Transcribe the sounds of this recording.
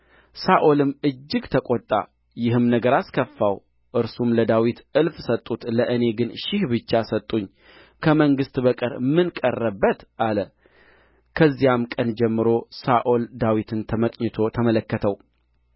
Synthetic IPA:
saʔolɨmːɨd͡ʒːɨɡt̪ʰəkʼot̪ʼːa̰ | jɪɦɨmnəɡəɾaskʰəfːaw | ʔɨɾsumləd̪awit̪ʔɨlfsət̪ʼːut̪ləʔɨne̞ɡɨnʃɪhbɨt͡ʃːasət̪ʼːuɲː | kʰəməŋɡɨst̪bəkʼɨɾmɨnkʼərːəbːət̪ʔalə | kʰəzːijamkʼənd͡ʒɛmːɨɾo̞saʔold̪awit̪ʰɨnt̪ʰəməkʼɲɛt̪ʰo̞t̪ʰəmələkːət̪ʰəw

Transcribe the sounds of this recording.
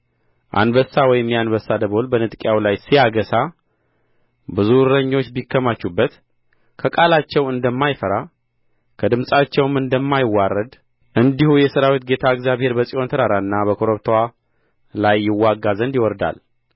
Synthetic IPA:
ʔa̰nbəsawɔjɪmːianbəsːad̪əβo̞lbənɨt̪ʼkʼjawlajsijaɡəsa | bɨzuɾəɲːo̞t͡ʃːbikʰːəmat͡ʃːubːət̪ | kʰəkʼalat͡ʃːɛwɨnd̪əmːajfəɾa | kʰəd̪ɨmsʼat͡ʃːɛwmɨnd̪əmːajɪwːarːəd̪ | ʔɨnd̪ihujɛsəɾawit̪ɡe̞t̪ʰaɨkzjaβhe̞ɾbəsʼiont̪ʰəɾaɾaɨnːabəkʰoɾoβt̪ʰwa | lajːɪwːaɡːazənd̪jɪwɔɾd̪a̰l

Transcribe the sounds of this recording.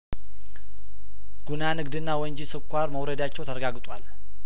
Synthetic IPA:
ɡ̥unanɨɡd̪ɨnːawɔɲd͡ʒisɨkʷːaɾməwɾəd̪at͡ʃːɛwt̪ʰəɾəɡaɡt̪ʼwal

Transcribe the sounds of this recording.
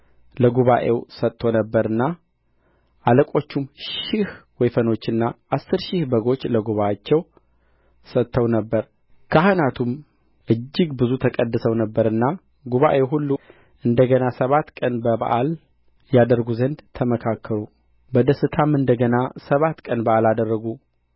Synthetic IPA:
ləɡuβaʔe̞wsət̪ːo̞nəbːəɾɨnːa | ʔaləkʼo̞t͡ʃːumʃɪhwɔjfəno̞t͡ʃːɨnːaʔasːɨɾʃɪhbəɡo̞t͡ʃːləɡuβajat͡ʃːɛw | sət̪ʰːəwnəbːəɾ | kʰəhɨnat̪ʰum | ʔɨd͡ʒːɪɡbɨzut̪ʰəkʼəd̪ːɨsəwnəbːəɾɨnːa | ɡuβa̰ʔeɦulːu | ʔɨnd̪əɡənasəβat̪ːkʼənbəba̰ʔal | jad̪əɾɡuzənd̪t̪ʰəməkʰakʰːəɾu | bəd̪əsɨt̪ʰamɨnd̪əɡənasəβat̪ːkʼənbaʔalad̪ərːəɡu

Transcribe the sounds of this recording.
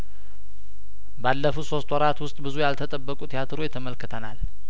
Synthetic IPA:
balːəfuso̞st̪ʼwɔɾat̪wʊst̪ʼbɨzujalt̪ʰət̪ʼəbːəkʼut̪ʰijat̪ʰɨɾojɛt̪ʰəməlkʰːɨt̪ʰənal

